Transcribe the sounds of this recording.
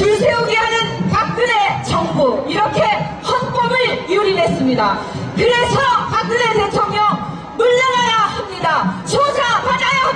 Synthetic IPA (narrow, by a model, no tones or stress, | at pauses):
tɯɭsʰeoɡiɦanɯnpak̚k͈ɯne̞t͡ɕʌŋbuiɾʌkʰe̞ | hʌnp͈ʌbɯɭjuɾine̞s͈ɯmɲida | kɯɾe̞sʰʌpak̚k͈ɯne̞te̞tʰoŋɲʌŋ | muʎːʌnɦajahamɲidat͡ɕod͡ʑapaɲaja